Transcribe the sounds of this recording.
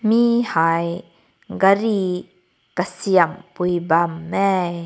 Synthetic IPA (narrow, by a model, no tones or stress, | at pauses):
mihaj | ɡaɾi | kasiəmpujbamːɛj